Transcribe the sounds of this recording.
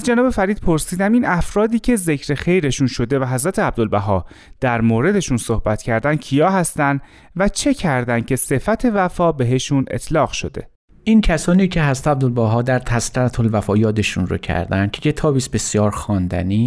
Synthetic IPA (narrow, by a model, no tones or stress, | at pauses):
æzd͡ʒenɒːbe̞fæɾiːd̪̚pʰo̞ɾsiːd̪æminæfɾɒːd̪iːcʰe̞ze̞cʰɾe̞xe̞jɾe̞ʃunʃo̞d̪e̞væɦæzɾæt̪ʰeæb̚d̪olbæɦɒːd̪̥æɾmoːɾe̞d̪e̞ʃunso̞hbæt̪cʰæɾd̪æn̥cʰijɒːɦæst̪ænd̪ | væt͡ʃʰe̞cʰæɾd̪æn̥cʰe̞se̞fæt̪ʰe̞væfɒːbe̞ɦe̞ʃune̞̰t̪ʰlɒːɣʃo̞̰d̪e̞̰ | ʔincʰæsɒːniːcʰe̞ɦæzɾæt̪æb̚d̪olbæɦɒːd̪æɾt̪ʰæst̪æɾt̪ʰolvæfɒːjɒːd̪eʃunɾo̰cʰæ̰ɾd̪ænd̪̥̚cʰecʰe̞t̪ʰɒːbiːsbesjɒːɾxɒːnd̪æ̰niː